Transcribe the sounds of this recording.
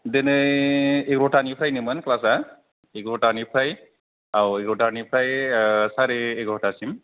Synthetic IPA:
denɯ | ekɾɔʈanipʰɾajnɯmɯnklasa | ekɾɔʈanipʰɾaj | awekɾotanipʰɾajsaɾeːkɔʈasim

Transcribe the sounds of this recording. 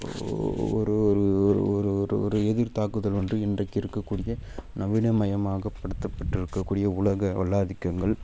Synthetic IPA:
ɔ̰ɾɯɔɾɯɾɔɾɯɾɔɾɯɛðɪɾt̪aːkɯðɐlʋɐndrɯɪndrɐɪkːɪɾɯkːɐkːuːɽɪjɐnɐʋɪnɐmɐjɐmaːɣɐpːɐɽɯt̪ːɐpːɐʈːɪɾɯkːɐkːuːɽɪjɐʊɭɐɣɐʋɐɭːaːðɪkːɐŋɡɐɭ

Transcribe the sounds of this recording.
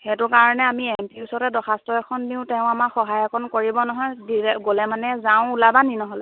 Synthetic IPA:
xɛtʊkaɹɔnɛamiempiusɔɹɛdɔxʰastɔɛkʰɔndiʊ̃tɛʊ̃amaxɔɦajɔkʰɔnkoɹibɔnɔɦɔjdiɡolɛmanɛzaʊ̃ulabaninɔɦɔlɛ

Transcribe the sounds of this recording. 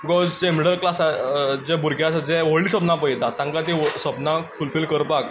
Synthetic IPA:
bikɔzd͡ʑemiɽəlklasad͡ʑebuɾɡʱjasad͡zẽʋoɭiːsəpnapəjd̪at̪ãŋkat̪̬ĩsəpnãfulfilkəɾpak̚

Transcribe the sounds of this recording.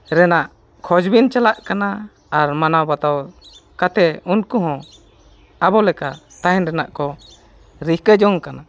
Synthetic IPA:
ɾɛnaʔ | kʰɔd͡ʒbint͡ʃalaʔkana | aɾmanawbat̪awkat̪ɛunkuɦɔ̃ | abɔlɛka | t̪aɦɛ̃nɾɛnaʔkɔ | ɾihkəd͡ʒɔŋkana

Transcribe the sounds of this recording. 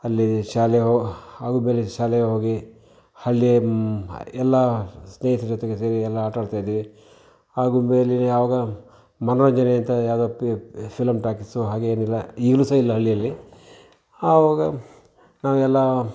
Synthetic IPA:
ɐlːiʃaːleɦoaːɡume̞ːliʃaːlejɐɦoːɡi | hɐɭːie | ɛlːɐsneːɦisid͡ʒɔt̪eɡeseːɾiɛlːɐaːʈaːɽt̪aːjid̪ii | aːɡumeːlineaʋɐɡɐ | mɐnɐɾɐɲd͡ʒɐneɐnt̪ɐjaːwd̪oːpʰilɐmʈaːkisuɦaːɡeeːnilːɐiːɡlusɐilːɐɦɐɭːijɐlːi | aːʋɐɡɐ | naːʋuɛlːɐ

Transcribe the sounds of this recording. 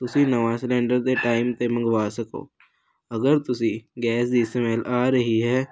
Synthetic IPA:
t̪ʊsĩnɐʋaːslɛ̃ːɳɖəɾt̪eʈaːɪmt̪emɐ̃ŋɡʋaːsɐko̰ː | ɐɡəɾt̪ʊsĩɡɛːsd̪iːsemɛːlaːɾɐɦiɦɛː

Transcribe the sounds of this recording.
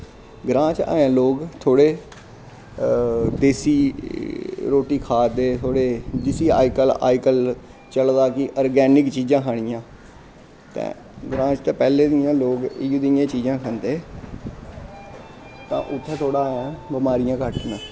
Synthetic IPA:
ɡɾãːt͡ʃa̰ːjãːloːɡt̪ʰoːɽeː | d̪eːsiː | ɾoːʈiːkʰaːd̪eːt̪ʰoːɽeːd͡ʒɪsiːa̰ːɪkəla̰ːɪkəl | t͡ʃəld̪aːkɪʔɔːɾɡɛːnɪkt͡ʃiːd͡ʒãːkʰaːɽ̃ɪjãː | t̪ɛ̰̃ː | ɡɾãːt͡ʃt̪ẽːpɛːleːd̪ɪjãːloːɡɪɡd̪ɪjãːt͡ʃiːd͡ʒãːkʰənd̪eː | t̪ã̰ːʔʊt̪ʰːẽːt̪ʰoːɽaːaːãːbəmaːɾɪjãːkəʈnãː

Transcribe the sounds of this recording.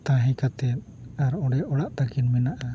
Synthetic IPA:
t̪aɦikat̪ɛt̪̚aɾɔɽɛʔɔɽaʔt̪aɡinmɛnaʔa

